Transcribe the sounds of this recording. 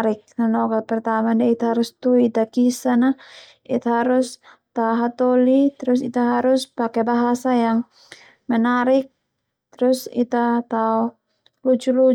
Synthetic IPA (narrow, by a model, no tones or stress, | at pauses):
ɾɪk̚nanɔkapərt̪amandait̪ahaɾʊst̪uit̪akisana | it̪aɦaɾʊs | t̪auɦat̪olit̪əɾʊsit̪aɦaɾʊspakɛbaɦasajaŋ | mənaɾɪk̚ | t̪əɾʊsḭt̪at̪au | lut͡ʃulu